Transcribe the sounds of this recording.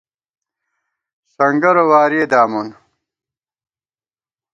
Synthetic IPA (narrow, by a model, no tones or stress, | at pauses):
sɐŋɡɐɾowaːɾed̪aːmun